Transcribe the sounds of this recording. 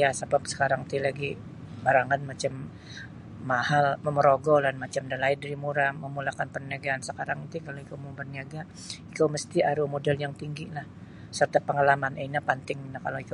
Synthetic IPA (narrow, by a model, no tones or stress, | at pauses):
jasabap̚sə̥kaɾaŋt̪ilaɡi | baɾaŋanmat͡ʃamː | ahalməməɾoɡɔlanmat͡ʃamdalaidəɾimuɾaməmulakanpərnaɡaːnsəkaɾaŋit̪ikaloikowmubərniaɡa | ikowməst̪iaɾumodɛljaŋt̪iŋɡilah | sərt̪apəŋalamaneinapant̪ɪŋinakaloik